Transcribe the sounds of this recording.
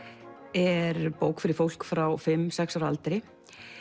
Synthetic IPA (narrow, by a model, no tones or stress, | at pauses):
ɛɾpoːwkfɪɾɪɾ̥fowl̥kfɾawfɪmːsɛksaɾa̰lt̪ɾɪ